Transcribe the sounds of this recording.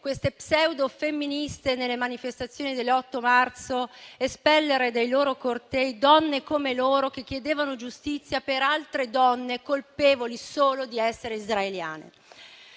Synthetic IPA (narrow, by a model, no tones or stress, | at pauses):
kwest̪epsɛwd̪ofemːinist̪enelːemanifest̪at̪sːjoːnid̪elːɔt̪ːomart̪soespɛlːeɾed̪ejloːɾokort̪ɛjd̪ɔnːekomeloːɾok̟ekːjed̪eːvanod͡ʒust̪it̪sːjapeɾalt̪ɾed̪ɔnːekolpeːvolisoːlod̪iɛsːeɾeizɾaelja̰ːnḛ